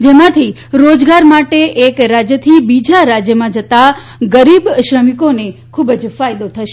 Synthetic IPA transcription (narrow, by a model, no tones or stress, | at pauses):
d͡ʒemãt̪ʰi | ɾod͡ʒɡaɾmaʈeʔekɾad͡ʒjət̪ʰibid͡ʒaɾad͡ʒjəmãd͡ʒət̪a | ɡəɾibʃɾəmikonekʰubd͡ʒfajd̪ot̪ʰəʃe